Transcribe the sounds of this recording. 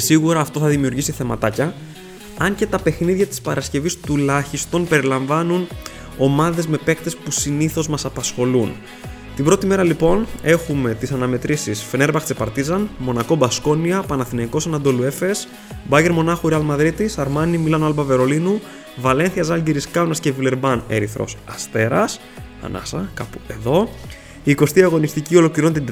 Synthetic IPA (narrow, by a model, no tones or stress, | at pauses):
esiɣuɾɐːft̪o̞θɐðimiuɾʝisiθe̞mɐt̪ɐcɐ | ɐɲce̞t̪ɐpe̞xniðʝɐt̪i̥spɐɾʔɐsce̞vist̪ulɐçist̪o̞npe̞ɾilɐɱvɐnun | o̞mɐðe̞zme̞pe̞kt̪e̞spusiniθo̞zmɐsɐpɐsxo̞lun | t̪ibɾo̞t̪ime̞ɾɐlipo̞ne̞xume̞t̪isɐnɐme̞t̪ɾisisfe̞ne̞ɾbɐk̪t͡sepɐɾt̪izɐnmo̞nɐko̞bɐsko̞niɐpɐnɐθinɐiko̞sɐnɐnd̪o̞luefes | bɐʝe̞ɾmo̞nɐxuɾeɐlmɐðɾit̪isɐɾmɐnimilɐnoɐlbɐve̞ɾo̞linu | vɐle̞nθiɐzɐlɟiɾiskɐwnɐscevile̞ɾbɐne̞ɾiθɾo̞̰sɐst̪e̞ɾɐs | ɐ̰nɐ̰sɐkɐpue̞ðo̞ | iːko̞st̪iɐɣo̞nist̪icio̞lo̞kiɾont̪i